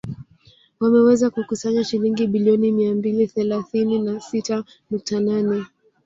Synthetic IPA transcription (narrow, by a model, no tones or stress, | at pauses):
wamɛwɛzakukusaɲaʃiliŋɡiɓiliɔnimiambiliθɛlaθininasita | nuk̚tananɛ